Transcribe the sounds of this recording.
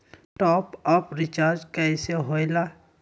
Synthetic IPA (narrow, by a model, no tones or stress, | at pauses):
ʈɔːpɔpɾɪt͡ʃaːɾd͡ʒkɛɪseɦojlaː